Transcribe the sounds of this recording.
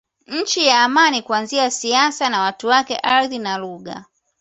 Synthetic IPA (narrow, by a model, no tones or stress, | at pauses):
ɲ̩t͡ʃijaːmanikuanziasiasanawatuwakɛ̰ʔaɾðinaluɠa̰